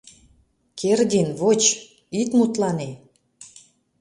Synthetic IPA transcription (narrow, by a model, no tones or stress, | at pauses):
kʰerd̪inβot͡ɕ | it̪mut̪lɑne